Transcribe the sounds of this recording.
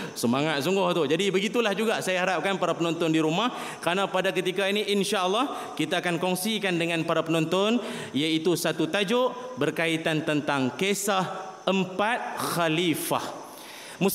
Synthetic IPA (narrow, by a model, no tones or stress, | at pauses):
səmaŋat̪̚suŋɡʊht̪ud͡ʒadibəɡit̪ulahd͡ʒuɡasajaɦaɾap̚kanpaɾapənɔnt̪ʊndiɾumah | kəɾanãpadak̬ət̪ikainiʔinʃaəlːɑh | kit̪aːkankɔŋsikandəŋãnpaɾapənɔnt̪ʊn | jait̪usat̪ut̪ad͡ʒʊʔbərkait̪ant̪ənt̪aŋkesahəmpat̪̚xalifa̰h | mu